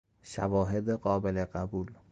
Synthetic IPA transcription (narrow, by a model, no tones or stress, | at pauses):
ʃavɒːɦed̪eqɒːbeleqæbul